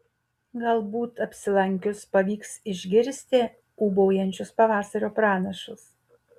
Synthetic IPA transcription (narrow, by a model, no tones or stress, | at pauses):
ɡɐlˠbuːt̪ɐpʲsʲɪlˠɐŋʲkʲʊspɐʋʲiːksɪʒʲɡʲɪɾʲsʲt̪ʲe | uːbɔʊjɛnʲt͡ʃʲʊspɐʋɑːsɐɾʲoːpɾɑːnɐʃʊs